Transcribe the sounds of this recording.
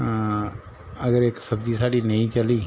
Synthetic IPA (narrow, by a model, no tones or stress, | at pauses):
əɡəɾeːksɐbd͡ʒisaːɽinɐɦĩt͡ʃəliː